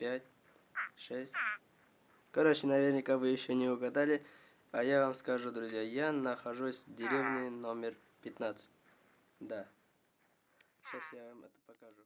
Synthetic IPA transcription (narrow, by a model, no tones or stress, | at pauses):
pʲatʲ | ʂɛsʲt̚ʲ | kɐɾot͡ɕɪnɐvʲernʲɪkavɨjɪɕːonʲɪʊɡɐd̪alʲɪ | ajavamskɐʐud̪ɾʊzʲjajanɐxɐʐusʲvdʲɪɾʲevnʲɨnomʲɪr | pʲɪt̪nat̪sɨ̥t̚ʲ | d̪a | ɕasjavamɛt̪ə̥pɐkɐʐu